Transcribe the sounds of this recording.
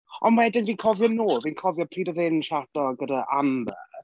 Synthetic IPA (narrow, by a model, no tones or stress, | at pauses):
ɔnwɛdɪnviːnkʰɔvjɔnoːviːnkʰɔvjɔpʰriːdɔðɪnʃad̥ɔɡədaʔambə̰